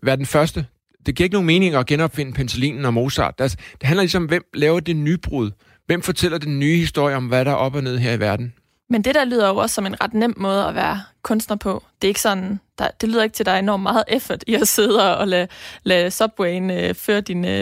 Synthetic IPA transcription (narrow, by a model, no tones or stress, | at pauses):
ʋæɐd̥en̩fɶɐsd̥ə | d̥e̝ɡ̥ḭɐeɡəno̝ŋ̩me̝ːne̝ŋɐɒ̽ɡ̥enɒ̽b̥fe̝nəpʰenselḭːnn̩ɒ̽mo̝ːsɑ̰̈ːd̥ælsɐ̥d̥e̝ɦænlɐlis̬mɒ̽mʋem̰lɛːʊɐd̥e̝nyb̥ʁuð̞̰ˠ | ʋem̰fɒ̽t͡sʰel̰ɐd̥enːyːhisd̥o̝ɐ̰jəɒ̽mʋæɾ̥ɑ̈ʔɒ̽b̥ɒne̝ð̞̰ˠɦeɐiʋæɐd̥n̩ | mend̥e̝ɾ̥ælyːð̰ˠɐjɒʊɒsːɒ̽me̝nʁɑ̈d̥nem̰mɔ̽ːð̞̩ˠɒʋæːɐkʰɔ̽nsd̥nɐpʰɒ̽d̥e̝ɐe̝ɡ̥sɒ̽nd̥ɑ̈d̥e̝lyːðˠɐeɡ̥t͡sʰe̝ld̥ɑ̈ɐe̝nɒ̰ːmːɑ̈ːð̞̩ˠefɐd̥iɒse̝ð̞ˠɒɒlɛlɛsɒ̽b̥weɪnøføːɐd̥in